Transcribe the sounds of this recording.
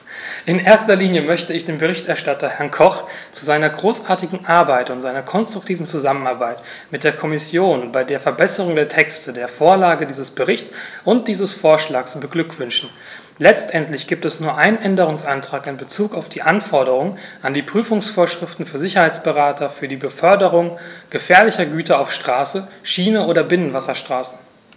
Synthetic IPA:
ʔɪnʔeːɐstɐliːnjəmœçtəɪçd̥eːnbəʁ̞ɪçtɛɐʃtatɐhɛɐnkʰɔχt͡suzaɪnɐɡʁoːsʔaːɐtɪɡŋ̩ʔaɐbaɪtʊntzaɪnɐkʰɔnstʁ̥ʊk̚tʰiːvn̩t͡suzamənaɐbaɪt | mɪt̚d̥eːɐkʰɔmɪsjoːnbaɪdeːɐfɛɐbɛsəʁ̞ʊŋdeːɐtʰɛkstədeːɐfoːɐlaːɡədiːzəsb̥əʁɪçtt͡sʔʊnt̚d̥iːzəsfoːɐʃlaːksb̥əɡlʏkv̥ʏnʃn̩ | lɛt͡stʔɛntlɪçɡ̥iːp̚tɛsnuːɐʔaɪnənʔɛndəʁ̞ʊŋsʔantʁ̥aːkɪnbət͡suːkaʊfd̥iːʔanfɔɐdəʁ̞ʊŋʔandiːpʁ̥yːfʊŋsfoːɐʃʁ̥ɪftn̩fyːɐzɪçɐhaɪt͡sb̥əʁaːtʰɐfyːɐdiːbəfœɐdəʁ̞ʊŋɡ̥əfɛːɐlɪçɐɡyːtʰɐaʊfʃtʁ̥aːsəʃiːnəʔoːdɐbɪnənvasɐʃtʁ̥aːsn̩

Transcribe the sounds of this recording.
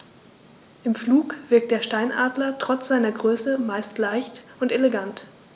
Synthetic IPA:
ʔɪmfluːkv̥ɪɐk̚td̥eːɐʃtaɪnʔaːdlɐtʁ̥ɔt͡sz̥aɪnɐɡʁøːsəmaɪstlaɪçtʊnteleɡant

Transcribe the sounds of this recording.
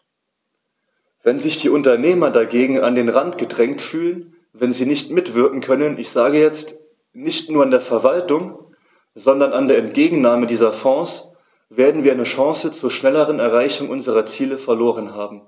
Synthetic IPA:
vɛnzɪçd̥iːʔʊntɐneːmɐdaɡeːɡŋ̩andeːnʁantɡ̥ədʁɛŋtfyːlən | vɛnziːnɪçtmɪtv̥ɪɐkŋ̩kʰœnənʔɪçz̥aːɡəjɛt͡st | nɪçtnuːɐandeːɐfɛɐvaltʊŋ | z̥ɔndɐnandeːɐɛnt̚ɡ̥eːɡŋ̩naːmədiːzɐfɔ̃ːs | v̥eːɐdn̩viːɐaɪnəʃɑ̃ŋsət͡suːɐʃnɛləʁənɛɐʁaɪçʊŋʔʊnzəʁɐt͡siːləfɛɐloːʁ̞ənɦaːbm̩

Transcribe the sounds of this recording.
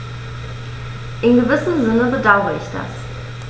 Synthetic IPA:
ʔɪnɡəvɪsənzɪnəbədaʊʁəɪçd̥a̰s

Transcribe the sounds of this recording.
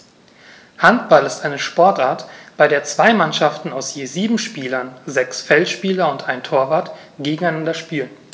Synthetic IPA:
hantb̥alɪstʔaɪnəʃpɔɐtʔaːɐtb̥aɪɾeːɐt͡sv̥aɪmanʃaftn̩aʊsjeːziːbm̩ʃpiːlɐnzɛksfɛlʃpiːlɐʊntʔaɪntʰoːɐvaːɐtɡ̥eːɡŋ̩aɪnandɐʃpiːlən

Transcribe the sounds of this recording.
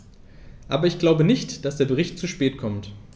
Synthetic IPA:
ʔaːbɐɪçɡ̥laʊbənɪçtd̥asd̥eːɐbəʁɪçtt͡suʃpɛːtkʰɔmt

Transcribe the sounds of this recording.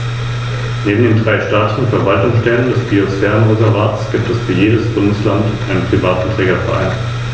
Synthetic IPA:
neːbm̩deːndʁaɪʃtaːtɪçn̩fɛɐvaltʊŋsʃtɛləndɛsb̥iosfɛɐnʁozɛɐvaːtsɡ̥iːp̚tɛsfyːɐjeːdəsb̥ʊndəslantʔaɪnənpʁ̥ivaːtn̩tʁ̥ɛːɡɐfɛɐʔa̰ɪn

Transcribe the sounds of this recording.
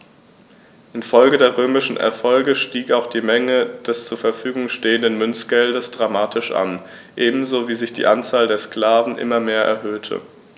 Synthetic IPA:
ʔɪnfɔlɡədeːɐʁøːmɪʃn̩ʔɛ̰ɐfɔlɡəʃtiːkaʊxd̥iːmɛŋəd̥ɛst͡suːɐfɛɐfyːɡʊŋʃteːəndənmʏnsɡ̥ɛldəsd̥ʁamaːtʰɪʃʔa̰n | ʔeːbm̩zoːviːzɪçd̥ḭːʔant͡saːldeːɐskl̥aːvn̩ʔɪ̰mɐmeːɐʔɛ̰ɐɦøːtʰə̰

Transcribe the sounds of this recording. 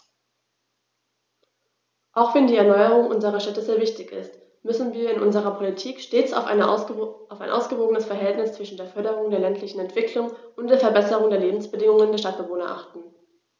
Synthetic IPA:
ʔaʊxv̥ɛndiːɛɐnɔʏəʁʊŋʔʊnzəʁ̞ɐʃtɛtəzeːɐvɪçtɪçɪ̰st | mʏsn̩viːɐɪnʔʊnzəʁɐpʰolitʰiːkʃteːt͡sa̰ʊ | aʊfaɪnʔa̰ʊsɡ̥əvoːɡənəsfɛɐɦɛltnɪst͡sv̥ɪʃn̩deːɐfœɐɾəʁ̞ʊŋdeːɐlɛntʰlɪçn̩ɛntv̥ɪklʊŋʔʊntd̥eːɐfɛɐbɛsəʁʊŋdeːɐleːbm̩sb̥ədɪŋʊŋəndeːɐʃtat̚b̥əvoːnɐʔa̰χtn̩

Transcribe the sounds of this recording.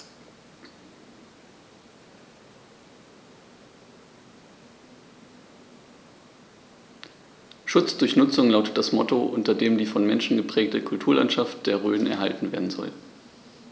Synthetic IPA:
ʃʊt͡sd̥ʊɐçnʊt͡sʊŋlaʊtət̚d̥asmɔtoʔʊntɐdeːmdiːfɔnmɛnʃn̩ɡəpʁ̥ɛːk̚təkʰʊltʰuːɐlʔa̰ntʃaft̚d̥eːɐʁøːn̩ɛ̰ɐɦa̰ltn̩veːɐdn̩zɔ̰l

